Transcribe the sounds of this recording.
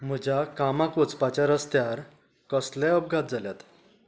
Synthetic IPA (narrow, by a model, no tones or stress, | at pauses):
m̤əd͡ʑakamakot͡spat͡ɕaɾəst̪jaɾ | kəslɛəb̚ɡʱat̪̚d͡zaljat̪